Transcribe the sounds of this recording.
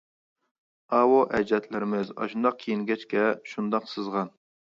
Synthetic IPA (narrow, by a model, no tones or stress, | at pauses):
ɑwoʔɛd͡ʒɛt̪ʰlɪɾɪmɪzɑ̰ʃund̪ɑq̚kʲʰijiŋɡʲɛt͡ʃkʲɛʃund̪ɑqsɨzʁɑn